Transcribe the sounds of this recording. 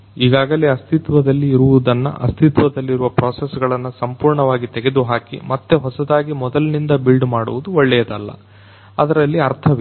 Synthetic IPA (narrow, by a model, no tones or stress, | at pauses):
iːɡaːɡɐleɐst̪ʰit̪ʋɐd̪ɐlːiːɾuʋud̪ɐnːɐ̰ʔɐ̰st̪ʰit̪ʋɐd̪ɐlːiɾuʋɐpɾoːsesɡɐɭɐnːusɐmpuːɾɳɐʋaːɡit̪eɡe̞d̪uɦaːkḭmɐt̪ːe̞ɦɔsɐd̪aːɡimɔd̪ɐlnind̪ɐbilɖmaːɽuʋud̪uɔɭːɛjɐd̪ɐlːɐ̰ | ɐd̪ɐɾɐlːiɐɾt̪ʰɐʋ